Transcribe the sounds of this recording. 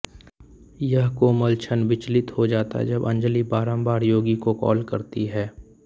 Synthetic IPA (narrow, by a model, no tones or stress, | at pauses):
jəɦkoːməlt͡ʃʰənʋɪt͡ʃlɪt̪hod͡ʒaːt̪a̰ɦɛ̰d͡ʒɐbɐ̃ɲd͡ʒəlibaːɾə̃mbaːɾjoːɡikokɔ̰ːlkɐɾt̪iɦɛː